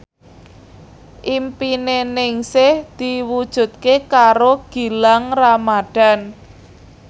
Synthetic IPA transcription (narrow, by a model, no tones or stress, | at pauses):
ʔimpinenɪŋsɪhd̪̥iwud̥ʒ̥ṳt̪̚kekaɾoɡ̥i̤laŋramaɖ̥a̤n